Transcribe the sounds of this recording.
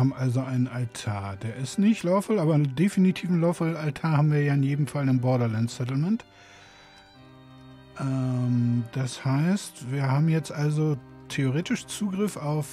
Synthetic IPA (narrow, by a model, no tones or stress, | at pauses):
haːbm̩ʔalzoʔaɪnənaltʰaːɐd̥eːɐɪstnɪçtlaʊfɔlʔaːbɐdefinitʰiːfn̩laʊfɔlaltʰaːɐhaːbm̩viːɐjaːɪnjeːdm̩falɪmbɔɐɾɐlansɛtl̩mɛnt | ʔɛmd̥ashaɪstv̥iːɐhaːbm̩jɛt͡stʔalzo | tʰeoʁeːtɪʃt͡suːɡʁɪfʔaʊf